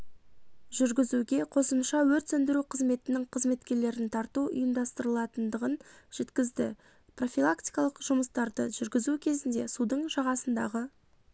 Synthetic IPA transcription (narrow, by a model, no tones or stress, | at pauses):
ʒʏɾɡʲɪzuɡʲe̞qʰo̞səmʃɑwɵɾt̪sɵnd̪ɪɾuqʰəzme̞t̪ɪnɪŋqʰəzme̞t̪kʲe̞ɾle̞ɾɪnt̪ʰɑɾt̪uʔʊ̰jəmd̪ɑst̪əɾəlˠɑt̪ənd̪əʁənʒ̥e̞t̪kʲɪzd̪ɪ | pro̞fʲilˠakt̪ijkɑlˠəqʒʊməst̪ɑɾd̪əʒʏɾɡʲɪzukʲʰe̞zɪnd̪e̞sud̪əɴʒɑʁɑsənd̪ɑ̰ʁə